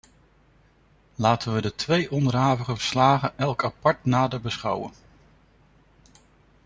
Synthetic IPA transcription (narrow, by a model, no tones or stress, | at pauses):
laːtənʋədətʋejʔɔndəɹɦaːvəχəvəɹslaːχənʔɛlˠkapɑɹtnaːdəɹbəsχɑwə̰n